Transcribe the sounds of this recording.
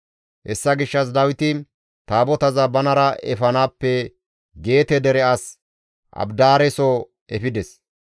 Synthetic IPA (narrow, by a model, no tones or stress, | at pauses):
hɛsːɐɡɪʃːɐs̬d̪ɐwɪt̪ɪ | t̪aːbɔt̪ɐzɐbɐnɐɾɐɛfɐnaːpːɛ | ɡe̞ːt̪ɛd̪ɛɾɛɐs | ʔɐ̰bd̪aːɾɛso | ʔɛfɪd̪ɛs